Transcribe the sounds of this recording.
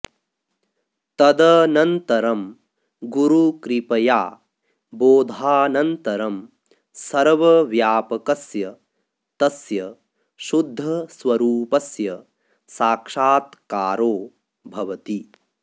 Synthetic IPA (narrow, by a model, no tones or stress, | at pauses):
t̪ɐd̪ɐnɐnt̪ɐɾɐm | ɡuɾukɾipɐjaː | boːd̪ʱaːnɐnt̪ɐɾɐm | sɐɾʋɐʋjaːpɐkɐsjɐ | t̪ɐsjɐ | ʃud̪ʱːɐswɐɾuːpɐsjɐ | saːkʂaːt̪kaːɾoː | bʱɐʋɐt̪i